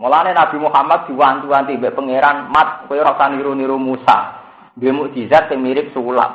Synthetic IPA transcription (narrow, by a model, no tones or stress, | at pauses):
molanenab̥i̤muhamat̪̚d̪̥i̤want̪uant̪ibɛʔpəŋeɾanmat̪̚kojoɾaksaniɾoniɾomusa̰ | bemuʔd̪̥i̤sat̪̚sɪŋmiɾɪk̚sula̰ʔ